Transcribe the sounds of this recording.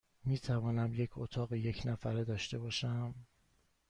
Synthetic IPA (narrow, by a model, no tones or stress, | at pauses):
miːt̪ʰævɒːnæmje̞cʰo̰t̪ʰɒːɣeje̞cʰnæfæɾed̪ɒːʃt̪e̞bɒːʃæm